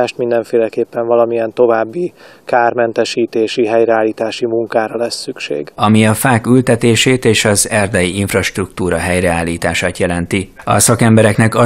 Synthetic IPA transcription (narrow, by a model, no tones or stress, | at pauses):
aːʃt̪mind̪ɛɱfeːlɛkeːpːɛɱvɒlɒmijɛnt̪o̞vaːbːikaːrmɛnt̪ɛʃiːt̪eːʃiɦɛjɾɛaːlːiːt̪aːʃimuŋkaːɾɒlɛsːykʃḛːɡɒmiɒfaːkylt̪ɛt̪eːʃeːt̪eːʃɒzɛrd̪ɛjiiɱfrɒʃt̪rukt̪uːɾɒɦɛjrɛaːlːiːt̪aːʃaːt̪jɛlɛnt̪iɒ̰sɒkɛmbɛɾɛknɛkɒ